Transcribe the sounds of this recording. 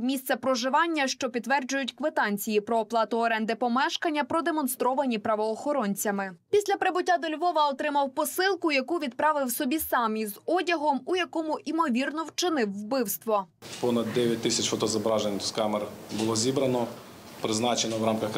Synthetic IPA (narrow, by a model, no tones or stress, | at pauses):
mʲist̪sɛpɾɔʒɪʋɑnʲːɐʃt͡ʃɔpʲid̪t̪ːʋɛrd͡ʒʊjʊtʲkʋet̪ɑnʲt͡sʲijipɾɔːplˠɑt̪ʊɔɾɛnd̪ɪpɔmɛʃkɐnʲːɐpɾɔd̪emɔn̪st̪ɾɔʋɐnʲipɾɐʋɔːxɔɾɔnʲt͡sʲɐmɪpʲisʲlʲɐpɾebʊtʲːad̪ɔlʲʋɔʋɐɔt̪ɾɪmɐwpɔsɪlˠkʊjɐkuʋʲid̪̚pɾɑʋɪwsɔbʲisɑmʲizɔdʲɐɦɔmujɐkɔmʊʔimɔʋʲirnɔwt͡ʃɪnɪwːbɪwst̪ʋɔpɔnɐd̪ːɛʋʲjɐt̚ʲt̪ɪsʲɐt͡ʃfɔt̪ɔzɐbɾɑʒenʲskamerbʊlˠɔzʲibɾɐnɔ | pɾɪznɑt͡ʃenɔwɾɑmkɐx